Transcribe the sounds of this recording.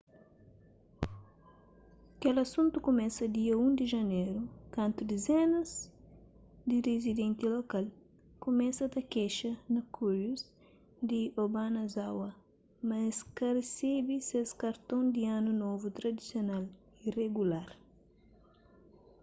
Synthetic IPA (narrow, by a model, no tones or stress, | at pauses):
kelɐsũnt̪ukumɛsɐd̪iɐũnd̪iʒɐneɾukɐ̃nt̪ud̪ezenɐz | d̪iɾezid̪ẽnt̪ilokal | kumɛsɐt̪ɐkɛʃɐnɐkʰuluz | d̪iobanɐzawɐ | mɐskɐresebiseskɐɾt̪õnd̪ianunovut̪ɾɐd̪isjonal | ireɡulaɾ